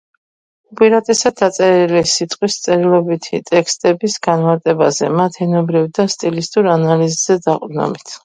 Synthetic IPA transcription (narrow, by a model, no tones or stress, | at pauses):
upʼiɾat̪ʼɛsad̪at̪sʼɛɾilisit̪ʼqʼwist̪sʼɛɾilˠɔbit̪ʰit̪ʼɛkʰst̪ʼɛbisɡanmaɾt̪ʼɛbazɛ̰mat̪ʰɛnɔbɾivd̪ast̪ʼilist̪ʼuɾanalizzɛd̪aqʼɾnɔ̰bit̪ʰ